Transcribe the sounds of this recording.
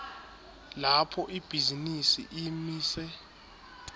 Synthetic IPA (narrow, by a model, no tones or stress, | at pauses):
lapʰɔʔib̥ʱizinisḭʔimiːsɛ